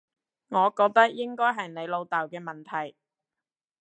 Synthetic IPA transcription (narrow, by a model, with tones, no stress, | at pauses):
ŋɔː˨˧kɔː˧k̚t̪ɐ˥k̚jɪ˥ŋkɔː˥jɦɐ˨jne˨˧jlo˧wt̪ɐː˨wkɛː˧mɐ˨˩nt̪ʰɐ˨˩j